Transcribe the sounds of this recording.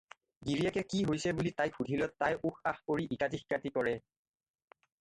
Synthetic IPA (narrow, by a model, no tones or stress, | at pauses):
ɡiɹiɛkɛkiɦojsɛbulitajxʰudʱilɔtːajʔuxaxpoɹiʔikatixkatikɔɹɛ